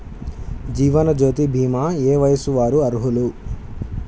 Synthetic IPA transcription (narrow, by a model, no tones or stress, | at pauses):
d͡ʒiːʋɐnɐd͡ʒoːt̪ibʱiːmaːeːʋɐjɐsuʋaːɾuɐɾuɦulu